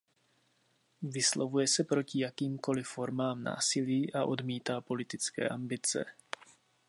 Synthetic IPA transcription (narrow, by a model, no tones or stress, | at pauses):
vɪslovujɛsɛpɾo̞cɪjakiːmko̞lɪfo̞ɾmaːmna̰ːsɪliːʔaʔo̞dmiːt̪aːpo̞lɪt̪ɪt͡skɛ̰ːʔambɪt͡sɛ̰